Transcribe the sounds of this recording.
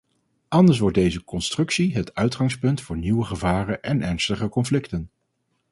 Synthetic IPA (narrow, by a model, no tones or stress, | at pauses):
ʔɑndəɹs̬ʋɔɹt̚dejzəkɔnstrɵksiɦətœɥtχɑŋspɵntfʊːɹniwəχəvaːrənʔɛnʔɛɹnstəχəkɔnflɪktən